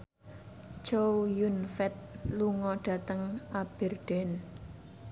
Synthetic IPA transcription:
t͡ʃowjunfɛt̪̚luŋɔɖ̥ä̤t̪əŋʔab̥ɛ̤rɖ̥ɛn

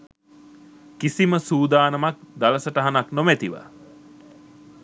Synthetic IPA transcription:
kisiməsuːd̪aːnəmak̚d̪aləsəʈəɦanaknomæt̪iʋa̰

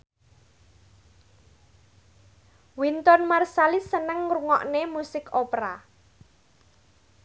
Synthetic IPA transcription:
wint̪ɔnmarsalisənəŋruŋɔ̰ʔnemusɪkopɾa

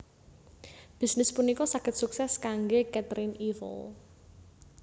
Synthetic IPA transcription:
b̥i̤snɪspunikɔsakɪt̪suksɛskaŋɡekɛt̪ɾɪnivə̰l

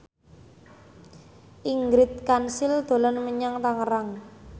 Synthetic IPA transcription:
ʔiŋɡɾɪt̪̚kansɪld̪̥o̤lanməɲaŋt̪aŋəɾaŋ

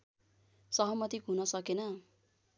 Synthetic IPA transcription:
sʌɦʌmʌt̪ikɦunʌsʌkenʌ

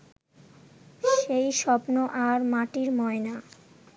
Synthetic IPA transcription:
ʃejʃɔpnoʔaɾmaʈiɾmɔena

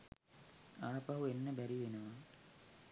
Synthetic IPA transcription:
aːpɐɦuenːebɐɾiʋenɐʋa

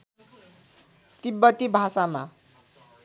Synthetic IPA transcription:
t̪ibːʌt̪ibʱasama

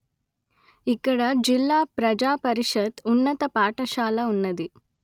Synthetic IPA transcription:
ikːɐɽɐd͡ʒilːaːpɾɐd͡ʒaːpɐɾiʂɐt̪unːɐt̪ɐpaːʈɐʃaːlɐunːɐd̪i

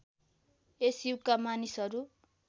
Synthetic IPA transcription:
esikːamanisɦʌɾu

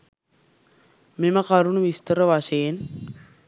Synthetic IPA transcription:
meməkaɾunuʋist̪əɾəʋaʃeːn

